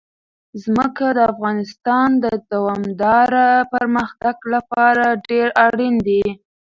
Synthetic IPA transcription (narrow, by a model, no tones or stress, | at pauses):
zməkad̪əafɣɑnɪst̪ɑnd̪əd̪awɑmd̪ɑɾapəɾməxt̪aɡlapɑɾaɖeɾaɽind̪e